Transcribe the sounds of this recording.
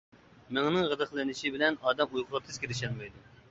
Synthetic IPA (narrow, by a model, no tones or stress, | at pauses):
mɪŋnɨŋʁəd̪əχlˠɨnɪʃibɪlɛnɑːd̪ɛmujqʰʊʁɑp̚t̪ʰɪz̥kʲʰeɾɪʃɛnmɛjd̪u